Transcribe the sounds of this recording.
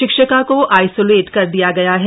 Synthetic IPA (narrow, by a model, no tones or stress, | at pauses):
ɪkʃəkakoʔaːɪsoːleːʈkɐɾd̪ijaɡɐjaɦɛ